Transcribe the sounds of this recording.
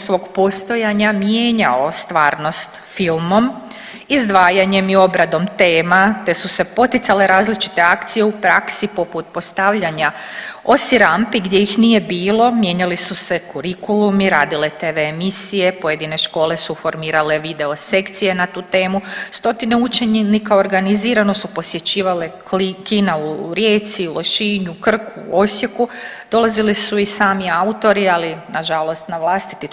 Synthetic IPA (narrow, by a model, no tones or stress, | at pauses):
sʋo̞ːɡpo̞st̪o̞jaɲamjeːɲaost̪ʋaːɾno̞st̪filˠmo̞m | izd̪ʋaːjaɲe̞mio̞bɾad̪o̞mt̪e̞ːmat̪e̞suse̞po̞t̪it̪sale̞ɾaːzlit͡ʃi̥t̪e̞akt̪sije̞upɾaksipo̞put̪̚po̞st̪aʋʎaɲa | o̞siɾampiɡd̪ʲje̞jixnije̞biːlˠo̞mje̞ɲalisusekuɾikulumiɾaːd̪ile̞t̪eʋeːmisije̞poje̞d̪ine̞ʃko̞ːle̞sufo̞ɾmiːɾale̞ʋid̪e̞o̞se̞kt̪sije̞nat̪uːt̪e̞ːmust̪o̞t̪ine̞ut͡ʃe̞ɲnikao̞ɾɡaniziːɾano̞supo̞sje̞t͡ɕiːʋale | kinauɾje̞ːt̪silˠo̞ʃiːɲukr̩kʰuo̞sje̞kud̪̥o̞lˠazilisuisaːmiaut̪o̞ɾialinaʒalo̞st̪naʋlˠast̪i̥t̪i